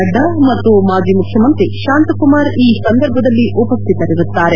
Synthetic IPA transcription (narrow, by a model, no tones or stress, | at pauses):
ɐd̪ʱɐmɐt̪ːumaːd͡ʒiːmukʰjɐmɐnt̪ɾiʃaːnt̪kumaːɾiːsɐnd̪ɐɾbʱɐd̪ɐlːiʔupɐst̪it̪ɐɾiɾut̪ːaːɾe̞